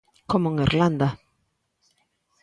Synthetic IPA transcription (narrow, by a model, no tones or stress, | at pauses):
komoeŋiɾland̪a